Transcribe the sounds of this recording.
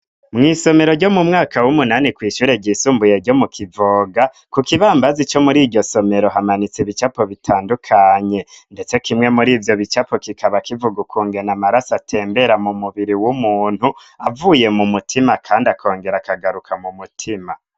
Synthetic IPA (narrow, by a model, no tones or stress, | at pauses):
mŋiːso̞me̞ɾo̞ɾɟo̞mumŋaːkawumunanikwiːʃuːɾe̞ɟisuːmbuje̞ɾɟo̞mukʰivoːɡa | kukiβaːmbazit͡ʃo̞muɾiɟo̞so̞me̞ɾo̞ɦamanit͡siβit͡ʃapo̞βitʰaːndukʰaɲe̞nde̞t͡se̞kʰimŋe̞muɾiːvjo̞βit͡ʃapo̞kikʰaβakivuɡukʰuːŋɡe̞namaɾasatʰe̞ːmbe̞ɾamumuβiɾiwumuːn̥hu | avuːje̞mumutʰimakʰaːndiakʰo̞ːŋɡe̞ɾakʰaɡaɾukʰamumutʰima